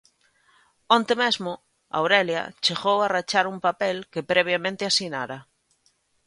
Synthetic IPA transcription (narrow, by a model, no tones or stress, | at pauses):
õnt̪emezmo | a̰wɾelja̰t͡ʃeɣowarat͡ʃaɾumpapelkepɾeβ̞jamẽnt̪ɪasinaɾa